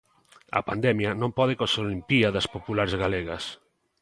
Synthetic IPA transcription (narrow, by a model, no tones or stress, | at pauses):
ɐ̰pand̪ɛmjɐnõmpɔð̞ekoseolimpiɐðɐspopulaɾzɣaleɣɐs